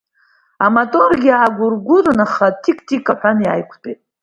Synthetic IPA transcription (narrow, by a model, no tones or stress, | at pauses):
amatʼorɡʲaaːɡʷʊrɡʷʊrɨnaχatʰikʰtʰikʼaħʷᶣanja̰jkʷʰtʼetʼ